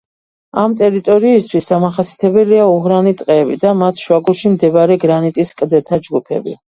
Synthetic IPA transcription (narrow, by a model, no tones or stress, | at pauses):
amt̪ʼɛɾit̪ʼɔɾiːst̪ʰwisamaχasjḁt̪ʰɛbɛliauɦɾanit̪sʼqʼɛːbid̪amat̪ʰʃwaɡuɾʃimd̪ɛbɾɛɡɾanit̪ʼiskʼd̪ɛt̪ʰad͡ʒɡupʰɛ̰bḭ